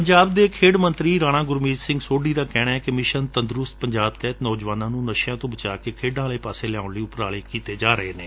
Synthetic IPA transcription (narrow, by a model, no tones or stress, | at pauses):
pəɲd͡ʒaːbd̪eːkʰeːɽmə̃nt̪ɾiːɾaːɽ̃ãːɡʊɾmiːd͡ʒsɪ̃ŋɡsoːɖiːd̪aːkɛːɽ̃aːɛːkɪmɪʃənt̪ənd̪ɾʊst̪̚pəɲd͡ʒaːb̚t̪ɛːt̪nɔːd͡ʒʋaːnãːnũːnəʃjãːt̪õːbət͡ʃaːkeːkʰeːɖãːləːpaːseːlɛaːʊɳləiːʊpɾaːɭeːkiːt̪eːd͡ʒaːɾəeːneː